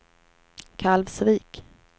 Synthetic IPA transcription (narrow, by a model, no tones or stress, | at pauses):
kʰalvsviːk